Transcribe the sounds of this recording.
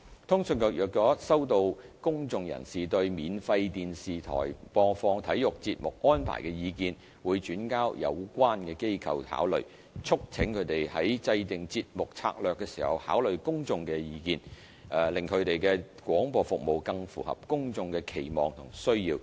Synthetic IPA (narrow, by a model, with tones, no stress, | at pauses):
t̪ʰʊ˥ŋsœ˧nkɔː˧jœː˨˩k̚kːɔː˨˥sɐ˥wt̪o˧wkʊ˥ŋt͡sʊ˨˧ŋjɐ̰˨˩nsiː˨t̪ɵ˧ɥmiː˨nfɐ˧jt̪iː˨nsiː˨˩t̪ʰɔ̰ː˨˩jpɔː˧fɔː˧ŋt̪ʰɐ˨˥jjʊ˨k̚t͡siː˧t̚mʊ˨k̚ʔɔː˥npʰa̰ː˨˩jkɛ˧jiː˨˧kiː˧n | wuː˨˧jt͡ʃyː˨˥nkaː˥wjɐ̰˨˧wkʷwaː˥nkɛː˧ke˥jkʰɐ̰˨wha̰ː˨˥wlɵ̰˨ɥ | t͡sʰʊ˥k̚t͡sʰɪ˨˥ŋkʰɵ˨˧ɥt̪e˨jhɐ˨˥jt͡sɐ˧jt̪ɪ˨˩ŋt͡siː˧t̚mʊ˨k̚t͡sʰa̰ː˧k̚lœː˨kːɛː˧siː˨˩hɐ̰˨˩wha̰ː˨˥wlɵ˨ɥkʊ˥ŋt͡sʊ˧ŋkɛ˧jiː˨˧kiː˧nː˨˩ | lɪ˨˩ŋkʰɵ˨˧ɥt̪e˨jkɛː˧ | kwɔː˨˥ŋpɔː˧fʊ˨k̚mo˨wkɐ˧ŋfṵː˨˩hɐ̰˨p̚kʊ˥ŋt͡sʊ˧ŋkɛː˧kʰe˨˩jmɔː˨ŋt̪ʰʊ̰˨˩ŋsɵ˥ɥjiː˧w